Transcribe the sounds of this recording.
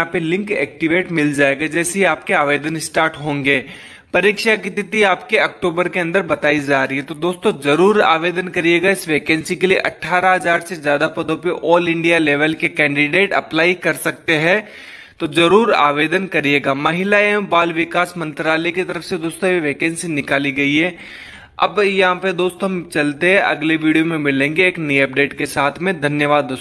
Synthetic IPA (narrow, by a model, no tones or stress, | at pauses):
ãpelɪ̃ŋkɛ̰ːk̚ʈɪʋeːʈmɪld͡ʒaːeːɡad͡ʒɛːseɦiaːp̚keaːʋeːd̪ənɪsʈaːɾʈɦõːŋɡeː | pɐɾikʃakit̪ɪt̪iaːpkeɐk̚ʈoːbəɾkeɐ̃nd̪əɾbɐt̪aːid͡ʒaːɾɐɦiɦɛt̪od̪oːst̪õzɐɾuːɾa̰ːʋeːd̪ənkɐɾijeːɡaɪsʋeːkɛ̃ːnsikeliḛʔɐʈʰːaːɾaɦɐzaːɾsezjaːd̪apɐd̪õpeʔɔːlɪ̃ɳɖijaleːʋəlkekɛ̃ːɳɖɪɖeːʈɐ̰plaːikɐɾsɐkt̪eɦɛ̃ | t̪ozɐɾuːɾa̰ːʋeːd̪ənkɐɾijeːɡaːmɐɦɪlaembaːlʋɪkaːsmɐ̃nt̪ɾaːlekit̪ɐɾəfsed̪oːst̪õiʋeːkɛːnsinɪkaːliɡɐiɦɛː | ɐ̰bjɐɦãped̪oːst̪oɦɐmt͡ʃɐlt̪eɦɛ̃ʔɐ̰ɡleʋiːɖijomẽmɪlẽːŋɡeːknɐiɐp̚ɖeːʈkesaːt̪ʰmẽd̪ʱɐnjəʋaːd̪ːoːs